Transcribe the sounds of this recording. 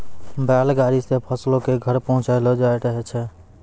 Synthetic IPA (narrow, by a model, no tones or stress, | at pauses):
bjalɡaɾisepʰəslõkeɡʱəɾpəɦʊ̃t͡ʃaɪlɔd͡ʒaeʈəɦɛt͡ʃʰɛ